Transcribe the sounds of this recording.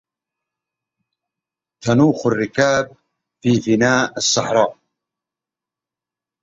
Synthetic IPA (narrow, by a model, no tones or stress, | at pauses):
t̪ʰɐnuːxʊrːɪkaːb̚ | fiːvinaːɨsˤːɑħɾˤɑː